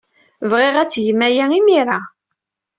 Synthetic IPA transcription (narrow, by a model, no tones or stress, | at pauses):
vʁeʁæt͡sːjəmːæjæimiɾa